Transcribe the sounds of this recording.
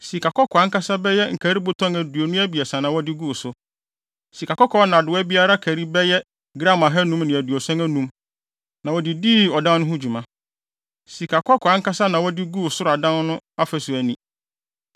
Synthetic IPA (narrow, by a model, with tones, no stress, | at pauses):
si˨ka˨kʰɔ˦kʰɔ˨a˨ŋ̩˦ka˦sa˦bɛ˦jɛ˦ŋ̩˨kʰæ˨ɾi˦bʊ˦tʰɔ̃˦ŋæ˨du˨o˨nʊ̃˦æ˦bi˨ɛ˨sã˨nã˨wɔ˦dɪ˦ɡu˦˨sʊ˦ | si˨kʰa˨kɔ˦kʰɔ˨˦nã˨dʊ˨wæ˦bi˦a˦ɾa˦kʰæ˨ɾi˦bɛ˦jɛ˦ | ɡɾã˦˨ma˨ɦɛ˦nũ˦mnɪ̃˨æ˨du˨o˨sɔ̃˦ŋæ˦nũ˦m | nã˨wɔ˨dɪ˨di˦ɔ˨dã˦nnʊ̃˦ɦʊ̃˦d͡ʑᶣu˨mã˦ | si˨kʰa˨kʰɔ˦kʰɔ˨a˦ŋ̩˦ka˦sa˦nã˨wɔ˦dɪ˦ɡu˦˨sʊ˦ɾʊ˨a˨dã˦n˦nʊ̃˦a˦fɛ˨sʊ˨æ˨nĩ˦